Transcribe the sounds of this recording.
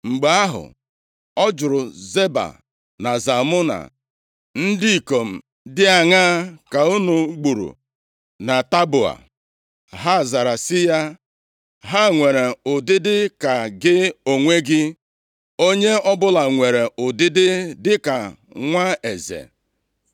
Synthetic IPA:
ŋ͡m̩˨ɡ͡be˨a˦ɦʊ̰˨ | ɔ˦d͡ʒʊ˨ɾʊ˨ze˦ba̰˨ | na˨za˨mʊ˦na̰˨ | n̩˦dɪ˦i˨ko˨m̩˨ | dɪ˦a˨ŋa˦ka˨u˦nu˨˦ɡ͡bu˨ɾṵ˨ | na˨ta˦bʊ˨a̰˨ | ɦa˦˨za˨ɾa˨sɪ˦ja˦ | ɦa˦˨ŋʷe˨ɾe˨ʊ˨dɪ˦dɪ˦ka˨ɡɪ˦o˨ŋʷe˦ɡɪ˦ | o˦ɲe˦ɔ˦bʊ˦la˨ŋʷe˨ɾe˨ʔʊ˨dɪ˦dɪ˦dɪ˦ka˨ | ŋʷa˦e˨zḛ˨

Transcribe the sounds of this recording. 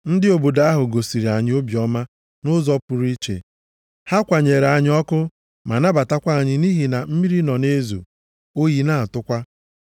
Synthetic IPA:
n̩˦dɪ˦o˨bo˨da˦a˦ɦʊ˨ɡo˨si˨ɾi˨a˨ɲɪ˦o˦bjɔ˦ma˦ | nʊ˦zɔ˦pʊ˨ɾi˦t͡ʃḛ˨ | ha˦kʷa˨ɲe˨ɾa˨ɲɪ˦ɔ˦kʊ˦ | ma˨na˦ba˨ta˦kʷa˦a˦˨ɲɪ˦ni˦ɦi˨na˨m̩˦mi˦ɾi˦nɔ˨ne˦zṵ˨ | o˦ji˨na˦˨a˨tʊ˦kʷa˦

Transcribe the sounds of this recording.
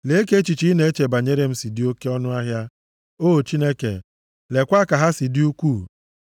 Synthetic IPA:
le˨˦ke˦t͡ʃi˨t͡ʃi˦ne˨˦e˦t͡ʃe˨ba˨ɲe˦ɾe˦m̩˦si˨dɪ˦o˦ke˦ɔ˦nʊ˦a˦ɦja˦ | oː˦˨t͡ʃi˦ne˦kḛ˨ | le˨kʷa˦ka˨ɦa˦si˨dɪ˦u˦kʷuː˦˨

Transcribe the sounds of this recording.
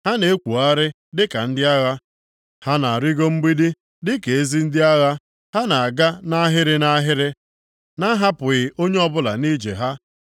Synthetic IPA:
ha˦ne˨e˦kʷu˨a˦ɾɪ˦ | dɪ˦ka˨n̩˦dɪ˦a˦ɣa˦ | ha˦na˨a˨ɾi˦ɡo˦m̩˦ɡ͡bi˦di˦ | dɪ˦ke˨e˦zi˦n̩˦dɪ˦a˦ɣa˦ | ha˦na˨a˨ɡa˦na˦ɦɪ˦ɾɪ˦na˦ɦɪ˦ɾɪ˦ | na˦ɦa˦pʊ˨ɣɪ˨o˦ɲe˦ɔ˦bʊ˦la̰˨ni˦d͡ʒḛ˨ɦa˦

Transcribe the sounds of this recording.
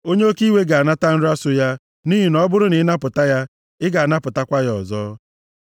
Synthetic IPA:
o˦ɲe˦o˦ki˦we˦ɡa˨a˨na˦ta˦n̩˦ɾa˦sʊ˦ja˦ | ni˦ɦi˨nɔ˦bʊ˦ɾʊ˦nɪ˨˦na˦pʊ˨ta˦ja˦ | ɪ˦ɡa˨a˨na˦pʊ˨ta˦kʷa˦jɔ̰˨zɔː˦

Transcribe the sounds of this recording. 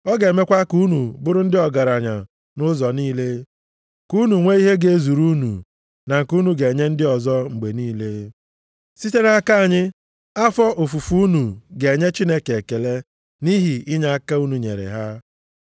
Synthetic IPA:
ɔ˦ɡe˨me˦kʷa˦ku˦nu˨bʊ˦ɾʊ˦n̩˦dɪ˦ɔ˨ɡa˨ɾa˨ɲa̰˨ | nʊ˦zɔ˨niː˦le˦ | ku˦nu˨ŋʷe˦i˦ɦe˦ɡe˨˦zu˨ɾu˦nṵ˨ | na˨ŋ̩˨ku˦nu˨ɡe˨ɲe˦n̩˦dɪ˦ɔ˨zɔ˦ŋ͡m̩˨ɡ͡be˨niː˦le˦ | si˦te˦na˨ka˦a˨ɲɪ˦ | a˦fɔ˦ʔʊ˨fu˨fu˦u˦nu˨ɡe˨e˨ɲe˦t͡ʃi˦ne˦ke˨ke˨le˦ | ni˦ɦi˨ɪ˦ɲa˦a˦ka˦u˦nu˨ɲḛ˨ɾḛ˨ɦa˦

